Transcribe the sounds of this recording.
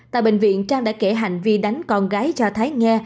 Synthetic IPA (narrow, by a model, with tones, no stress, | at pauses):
t̪a̰ː˧˨jɓë˧˨ŋ̟vḭ˧˨ənt͡ɕaː˧ŋɗa̰ː˧˥ke˧˩ɦa˨˩jŋ̟vi˧ɗa˨˦jŋ̟kɔ˧nɣaː˨˦jt͡ɕɔ˧t̪ʰaː˨˦jŋɛ˧